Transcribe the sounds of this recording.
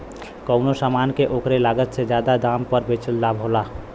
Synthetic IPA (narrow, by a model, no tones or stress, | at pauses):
kəʊnosaːmaːnkeʔoːkɾelaːɡət̪sed͡ʒjaːd̪ad̪aːmpəɾbet͡ʃəld̪abʱola